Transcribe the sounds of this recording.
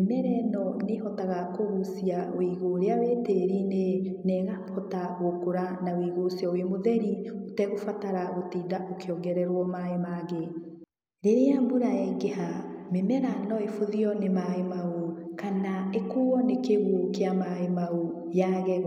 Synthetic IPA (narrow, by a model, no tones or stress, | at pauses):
emɛɾɛnɔnehɔtaɣakoɣusiawiɣoɾeaweːteɾinenɛɣahɔtaɣokoɾanawiɣosjɔwemoðɛɾiotɛɣofataɾaɣotiːdaʔokʰeɔɡɛɾɛɾwɔmaemaɣe | ɾeɾeambuɾaɛŋɡeɦamemɛɾanɔefoðiɔnemaemaokanaekoɔnekeɣokeamaemao | jaɣɛ